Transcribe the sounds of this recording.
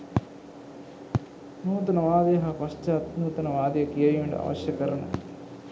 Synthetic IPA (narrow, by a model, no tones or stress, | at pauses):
nuːt̪ɐnɐʋaːd̪eːɦɐpɐʂt͡ʃaːt̪nuːt̪ɐnɐʋaːd̪jɐkijɐjuɳɖɐ̰a̰ʋɐ̰ʃjɐkɐɾɐɳɐ̰